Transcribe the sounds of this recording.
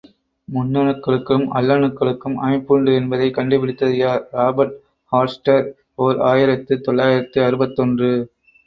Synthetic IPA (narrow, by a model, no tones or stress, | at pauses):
mʊnːɐɳɯkːɐɭɯkːɯmɐ̰lːɐɳɯkːɐɭɯkːɯmʔɐ̰mɪpːuɳɖɯɛnbɐðɐɪkɐɳɖɯpɪɽɪt̪ːɐðɪjaːɾɾaːbɐɾʈ̚ | haːɾsʈɐɾ | oːɾaːjɪɾɐt̪ːɯt̪ɔɭːaːjɪɾɐt̪ːɯɐɾɯbɐt̪ːɔndrɯ